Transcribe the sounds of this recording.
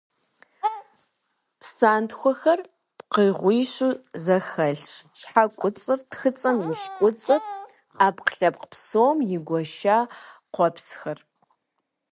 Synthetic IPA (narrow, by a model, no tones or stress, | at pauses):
pʰsaːntxʷɔxɐr | pqəjʁʷiːɕuzɐxɐɮʂʃħakʷʼʊt͡sʼɨrtxɨt͡sʼɐmjɪʃkʷʼʊt͡sʼɨpʼ | aːpqɬɐpqpʰsowːmjɪɡʷɔʃaːqʷɔpsxɐr